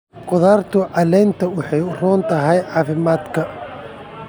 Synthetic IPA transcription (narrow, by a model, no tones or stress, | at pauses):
qʼʊðaːrt̪ʰʊʕɑlɛnt̪ʰɐwʊħɑjrɔːnt̪ʰɐɦɐjʕaːfɪmaːd̪kʰɐ